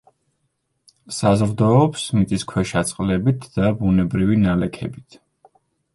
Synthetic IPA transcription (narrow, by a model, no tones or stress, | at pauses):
sazɾd̪ɔːpsmit̪ʼiskʰwɛʃat̪sʼqʼlɛbit̪ʰd̪̥abunɛbɾivinalɛkʰɛ̰bit̪ʰ